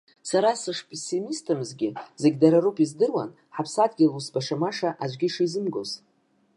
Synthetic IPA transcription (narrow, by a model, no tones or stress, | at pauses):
saɾasɨʂpʰʼesimistʰɨmɨzɡʲɪzeɡʲdaɾarupʼizdɨrwa̰n | ħapʰsadɡʲilusbaʂamaʂaʔad͡ʒʷɡʲiʂizɨmɡoz